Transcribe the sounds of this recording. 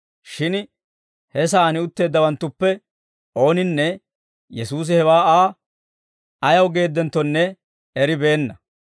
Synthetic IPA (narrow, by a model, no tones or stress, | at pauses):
ʃɪn | hɛs̬aːnɪʊt̪ːe̞ːd̪ːɐwɐnt̪ːʊpːɛ | ʔo̞ːnɪnːɛ | jɛsuːs̬ɪhɛwaːaː | ɐjɐwɡe̞ːd̪ːɛnt̪ːɔnːɛ | ɛɾɪbe̞ːnːɐ